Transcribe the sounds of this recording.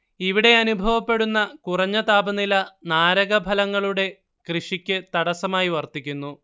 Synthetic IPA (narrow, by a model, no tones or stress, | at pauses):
iʋiɽe̞ɐnubʱɐʋɐpːe̞ɽunːɐkurɐɲːɐt̪aːbɐnilɐnaːɾɐɣɐbʱɐlɐŋːɐɭuɽe̞ | krɨʂikʲːɨt̪ɐɽɐsɐmaːjiʋɐrt̪ikʲːunːu